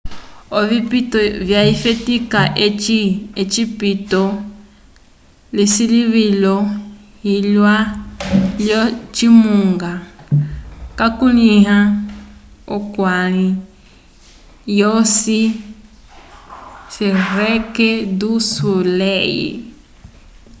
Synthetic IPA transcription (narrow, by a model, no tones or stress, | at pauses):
ovipitɔvjaifetikaʔiet͡ʃipito | lisiliβilo | ilwa | ljot͡ʃimuŋɡa | kakunĩɦa | okwali | josi | sɛɾekedusulejḭ